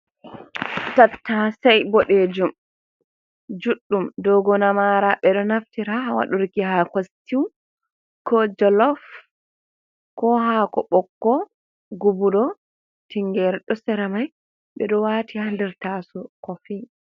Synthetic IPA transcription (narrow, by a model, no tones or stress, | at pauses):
tatːasajbɔɗed͡ʒum | d͡ʒuɗːumdɔɡɔnamaɾaɓɛɗɔnaftiɾahawa̰ɗuɾkihakostiw | kʰɔd͡ʒɔlɔf | kɔhakɔ̰ɓɔkːɔ | ɡubuɗɔ | tiŋɡɛɾɛɗɔsɛɾɛmaj | ɓɛɗɔwatihandɛɾtasɔkɔfi